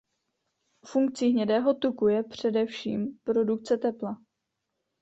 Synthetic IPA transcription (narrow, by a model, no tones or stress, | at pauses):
fuŋk̚t͡siːɦɲɛdɛːɦo̞t̪ukujɛpr̝̥ɛdɛfʃḭːmpɾo̞dukt͡sɛt̪ɛpla